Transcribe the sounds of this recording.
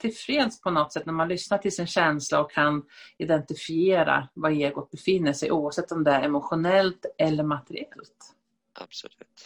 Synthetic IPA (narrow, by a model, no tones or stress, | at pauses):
t̪ʰɪlfɾeːd̪spʰɔnɔt̪ːsɛt̪næɾmanlʏsnaʈʰɪlsɪnɕɛnslaɔkʰːanɪd̪ɛnt̪ɪfɪeːɾa̰vaeːɡʊt̪̚bɛfɪnːəʂɛ̰jʔuːavsɛt̪ːɔmd̪ɛæɾɛmʊɧʊnɛlt̪ɛlːəɾmat̪ɛɾɪɛlt̪ | a̰b̥sɔlʉːt̪